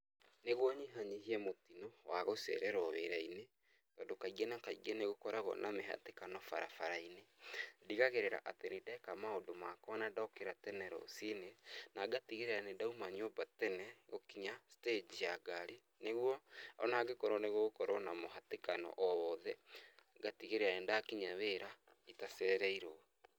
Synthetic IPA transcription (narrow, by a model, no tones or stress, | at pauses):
neɣwɔɲiɦaɲiɦiɛmotinɔwaɣosɛ̰ɾɛɾɔβḛɾaine | tɔːndokaiɣenakaiɣɛneɣokɔɾaɣɔ̰nʔameɦa̰tekanɔfaɾa̰faɾainediɣaɣeɾeɾa̰ʔatenedɛkamaodomakɔanadakeɾatɛnɛɾɔ̰sinenaɡatiɣeɾeɾanedaumaɲobatɛnɛɣokiɲasted͡ʒijaɡaɾe | neɣwɔɔ̰naːɡekɔɾɔneɣoɣokɔɾɔnamoɦatekanɔ̰ʔɔɔðɛɡatiɣeɾeɾaɛndaːkiɲaβeːɾa | itaseɾɛiɾo